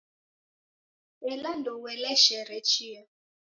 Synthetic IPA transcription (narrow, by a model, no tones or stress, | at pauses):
ɛlandɔwɛlɛʃɛɾɛt͡ʃʰia